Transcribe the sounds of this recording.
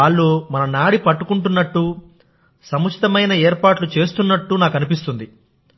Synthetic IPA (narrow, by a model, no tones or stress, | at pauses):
aːɭːoːmɐnɐnaːɽipɐʈːukuɳʈunːɐʈːu | sɐmut͡ʃʰi̥t̪ɐmɐjnɐeːɾpaːʈlut͡ʃe̞ːst̪unːɐʈːunaːkɐnipist̪und̪i